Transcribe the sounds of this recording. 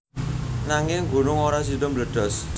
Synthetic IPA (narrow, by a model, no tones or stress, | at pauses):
naŋɪŋɡṳnʊŋoɾas̬idɔmbləd̥ɔ̤s